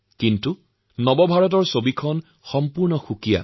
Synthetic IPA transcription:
kintu | nɔbɔbʱaɹɔt̬ɔɹsobikʰɔn | xɔmpuɹnɔxukija̰

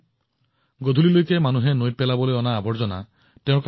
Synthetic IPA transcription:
ɡod̪ʱulilojkemanuɦenoj̚pelabɔleɔnaːbʱɔɾd͡ʑɔna | tẽʊ̃k

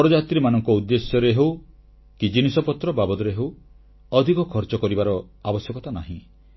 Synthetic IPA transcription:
ɔɾɔd͡ʒat̪ɾimanɔŋkɔud̪ːesjɔɾeɦew | kid͡ʒinisɔpɔt̪ɾɔbabɔd̪ɔɾeɦew | ɔd̪ʱikɔkʰɔɾt͡ʃɔkɔɾibaɾɔabɔsjɔkɔt̪ana̰ɦḭ̃

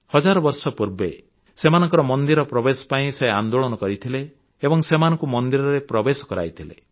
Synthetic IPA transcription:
hɔd͡ʒaɾɔbɔɾsɔpuɾbe | semanɔ̃ŋkɔɾɔmɔnd̪iɾɔpɾɔbesɔ̥paĩseand̪oɭɔnɔkɔɾit̪ʰileː | bɔŋsemanɔŋkumɔnd̪iɾɔɾepɾɔbesɔ̥kɔɾa̰jt̪ʰilḛ

